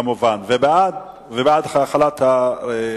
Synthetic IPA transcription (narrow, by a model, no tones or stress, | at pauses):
amuvanvebead̪ | vebead̪χalat̪ae